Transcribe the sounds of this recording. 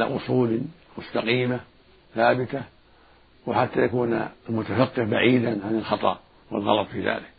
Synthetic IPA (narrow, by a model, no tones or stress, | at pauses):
la̰ʔʊsˤuːl | mʊst̪aqiːma | θaːbɪt̪a | wɪħat̪ːajakuːnalmʊt̪afaqːɪʕbaʕiːd̪anʕanɪlxɑt̪ˤɑ̰ʔ | wɪ̰lɣɑ̰lɑt̪ˤfiːða̰ːlɪk